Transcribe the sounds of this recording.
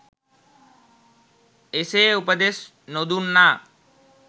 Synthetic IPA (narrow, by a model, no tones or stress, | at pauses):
eseːupəd̪es | nod̪uːnːa